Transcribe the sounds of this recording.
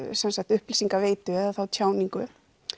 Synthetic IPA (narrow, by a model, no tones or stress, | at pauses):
sɛnsak̚t̪ʏhplisiŋkaveːjt̪ʏɛðaθawt̪ʰjaːwniŋkʏ